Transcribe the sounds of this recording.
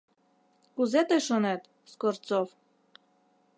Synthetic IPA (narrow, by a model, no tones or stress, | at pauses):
kuzet̪ejʃonet̪ | skort̪t͡sof